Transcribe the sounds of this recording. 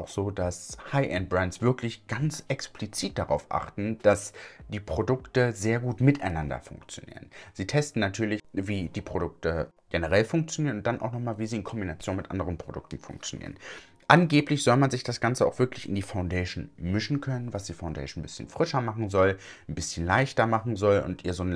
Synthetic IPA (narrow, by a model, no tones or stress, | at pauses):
aʊxz̥oːdashaɪʔɛnt̚bʁɛntsv̥ɪɐkʰlɪçɡ̥ant͡sʔɛksplit͡siːt̚d̥aʁa̰ʊfʔa̰χtn̩d̥asd̥iːpʁ̥odʊktəzeːɐɡuːtmɪtʔaɪnandɐ̰fʊ̰ŋkt͡sjo̰nḭːʁənziːtʰɛstn̩natʰyːɐlɪçviːdiːpʁ̥odʊk̚tə | ɡ̥enəʁɛlfʊŋk̚t͡sjoniːʁənʊnt̚d̥anʔa̰ʊxnɔχmaːlviːziːɪnkʰɔmbinat͡sjoːnmɪtʔa̰ndəʁənpʁ̥odʊ̰k̚tn̩fʊ̰ŋk̚t͡sjonḭːʁə̰n | ʔanɡeːplɪçz̥ɔlmanzɪçd̥asɡ̥ant͡səaʊxv̥ɪɐklɪçɪ̰ndiːfaʊndɛɪʃn̩mɪʃn̩kʰœnənvasd̥iːfaʊndɛ̰ɪʃn̩n̩bɪsçənfʁ̥ɪʃɐmaχn̩zɔl | n̩bɪsçənlaɪçtɐmaχn̩zɔlʊ̰ntʔiːɐzoːn